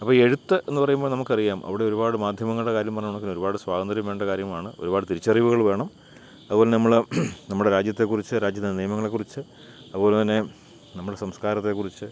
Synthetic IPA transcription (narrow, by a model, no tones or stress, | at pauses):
ɐpːoːe̞ɻut̪ːɨʔe̞nːɨpɐrɐjumboːɭnɐmukːɐrijaːmʔɐ̰ʋiɽe̞o̞ɾubaːɽɨmaːd̪ʱjɐmɐŋːɐɭɨɽekaːɾjɐmpɐrɐɲːuɳokːinːoɾubaːɽɨsʋaːɣɐnd̪ɾɐjumʋeːɳɖɐkaːɾjɐmaːɳɨo̞ɾubaːɽɨt̪iɾit͡ɕːɐriːʋuɣɐɭʋe̞ːɳɐm | ɐðɨpoːlenɐmːɐɭnɐmːuɭɽe̞ɾaːd͡ʑjɐt̪ːe̞kːurit͡ɕːɨɾaːd͡ʑjɐt̪ːniːjɐmɐŋːɐɭe̞kːurit͡ɕːɨ | ɐðɨpo̞ːlet̪ɐnːe | nɐmːuɽesɐmskaːɾɐt̪ːe̞kːurit͡ɕːɨ